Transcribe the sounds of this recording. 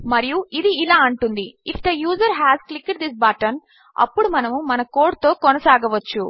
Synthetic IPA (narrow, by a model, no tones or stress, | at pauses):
mɐɾijuid̪iːlaːɐɳʈund̪iifʰd̪ɐjuːzɐɾɦɛːzklikɖd̪is̬baʈɐn | ɐ̰pːuɽumɐnɐmumɐnɐkoːɾɖt̪o̞ːkɔnɐsaːɡɐʋɐt͡ʃːu